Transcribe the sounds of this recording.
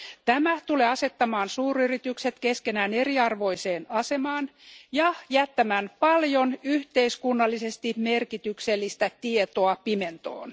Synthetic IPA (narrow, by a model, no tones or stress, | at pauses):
t̪æmæt̪uleːɑse̞t̪ːɑmɑːnsuːryrit̪ykse̞t̪keske̞næːne̞riɑrʋo̞ise̞ːnɑse̞mɑːnjɑjæt̪ːæmæːnpɑljo̞nyht̪eiskunːɑlːise̞st̪imme̞rkit̪ykselːist̪æt̪iet̪oɑpime̞nt̪o̰ːn